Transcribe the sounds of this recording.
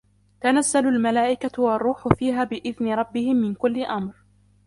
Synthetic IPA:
t̪anazːalʊlmalaːʔɪkawɑrˤːuːħʊfiːɦaːbɪʔɪðnɪɾˤɑbːɪhɪmːɪnkʊlːɪʔamɾ

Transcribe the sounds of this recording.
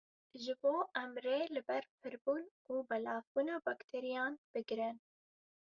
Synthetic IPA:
ʒɨboːʔɛmreːlɨbɛɾpʰɨɾbuːn | uːbɛlɑːvbuːnɑːbɑkt̪ʰeɾijɑːnb̥ɨɡɾɪn

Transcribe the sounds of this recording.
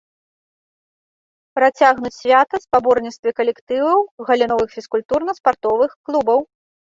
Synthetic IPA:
pɾat͡sʲaɣnut͡sʲsʲvʲat̪ɐspabɔrnʲit̪st̪vʲikɐlʲɛkt̪ɨvɐwɣɐlʲinɔvɨxfʲiskulʲt̪urnɐspart̪ɔvɨxklˠubɐw

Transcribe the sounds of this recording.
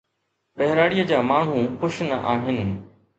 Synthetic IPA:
ɓɛɦɪɾaːɽijəd͡ʑaːmaːɳ̤ũxʊʃnəʔaːɦɪnɪ̆

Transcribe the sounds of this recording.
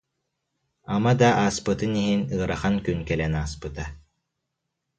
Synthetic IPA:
amad̪aʔaːspɯt̪ɯniɦinɯːɾaχankynkɛlɛnaːspɯt̪a

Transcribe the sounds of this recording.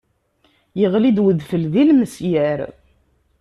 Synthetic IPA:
jəʁlid̪wəðfəlðilməsjæɾ

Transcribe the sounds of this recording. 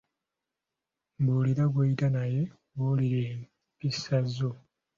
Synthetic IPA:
mbuːliɾaɡweitanaje̞ | ɡuliɾeːm | pisazo̞

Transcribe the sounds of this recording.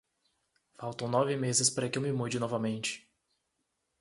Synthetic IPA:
fawt̪õw̃nɔvɪmezɪspaɾɐkɪewmɪmud͡ʒɪnɔvɐmẽnt͡ʃɪ̥

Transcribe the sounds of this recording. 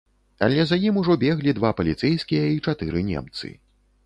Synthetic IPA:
a̰lʲɛzajimuʐɔbʲɛɣlʲid̪vapɐlʲit̪sɛjskʲijɐit͡ʂat̪ɨɾɨnʲɛ̰mt̪sɨ̰

